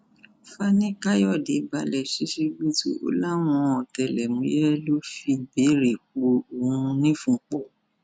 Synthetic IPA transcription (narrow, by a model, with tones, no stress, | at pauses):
fa˦nĩ˦ka˦jɔ˦˨de˨˦ba˧˨lɛ˨ʃi˦ʃe˧ɡu˦tṵ˦ʔo̰˦la˦w̃ɔ̃˧˦ɔ˨tɛ˨lɛ˨mũ˨˦jɛ˦lo˦fi˧be˨˦ɾe˨k͡po˧o˨ũ˧nĩ˦fũ˧˨k͡pɔ˦˨